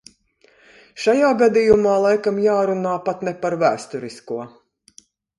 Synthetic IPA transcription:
ʃajaːɡad̪ijumaːlˠajkamjaːɾunaːpat̪nɛpaɾvæːst̪uɾiskuɔ

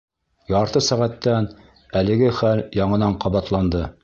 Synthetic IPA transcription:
jɑɾt̪ɤsæʁæt̪ːæn | ælɘ̆ɡɘχæljɑɴɤ̆nɑɴqɑβɑt̪lˠɑnd̪ɤ

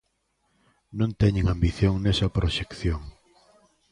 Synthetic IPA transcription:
nõnt̪ɛɲeŋambiθjoŋnɛsɐpɾoʃekθjoŋ

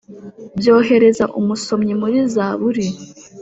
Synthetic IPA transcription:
bjo̞ːɦe̞ɾe̞zaʔumuso̞mɲimuɾizaβuɾi

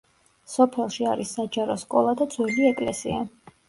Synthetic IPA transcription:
sɔpʰɛlˠʃiaɾisːad͡ʒaɾɔskʼɔlˠad̪ad̪zwɛliɛkʼlɛsḭa

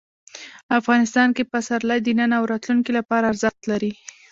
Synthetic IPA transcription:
afɣɑnɪst̪ɑnkepasaɾlad̪inanawɾɑt̪luŋkilapɑɾaːɾzəxt̪laɾi

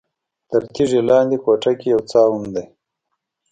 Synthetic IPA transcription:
t̪əɾt̪ʰiʐelɑːnd̪ikoʈakejawt͡sɑːwund̪aj

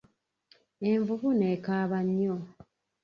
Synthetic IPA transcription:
e̞ɱvuβunekaːβaɲːo

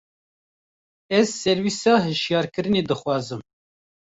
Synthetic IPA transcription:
ɛzsɛɾwisɑːɦɨʃjɑːɾkɨɾɨneːd̪ɨxwɑːzɨm

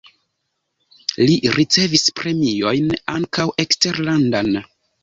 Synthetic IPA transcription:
liɾit͡se̞vispɾe̞mijo̞jnaŋkawʔe̞kste̞ɾlandan

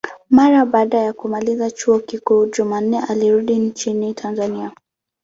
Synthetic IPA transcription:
maɾaɓaːɗajakumalizat͡ʃuɔkikuːʄuman̩nɛʔaliɾuɗint͡ʃinitʰanzania

